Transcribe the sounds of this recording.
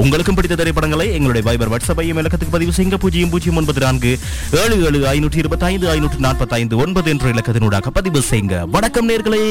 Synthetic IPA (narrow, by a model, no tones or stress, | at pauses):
ʊŋɡɐɭɯkːɯmpɐɽɪt̪ːɐt̪ɐɾɐɪpːɐɽɐŋɡɐɭɐɪɛŋɡɐɭɯɽɐjɐʋɐːjbɐɾʋɐʈsɐbɐɪɛmɪɭɐkːɐt̪ːɯkːɯpɐðɪʋɯsɛjŋɡɐpuːd͡ʒɐjɯmpuːd͡ʒɪjɐmɔnbɐðɯnaːnɡɯ | eːɻɯeːɭɯaːjnuːʈrɯɪɾɯbɐt̪ːaːjnd̪ɯaːjnuːʈrɯnaːnpɐt̪ːaːjnd̪ɯɔnbɐðɯɛndrɯɪɭɐkːɐt̪ːɯnuːɽa̰ːɣɐpːɐðɪʋɯsɛjŋɡɐ̰ʋɐɳɐkːɐmneːɾɣɐɭɐɪ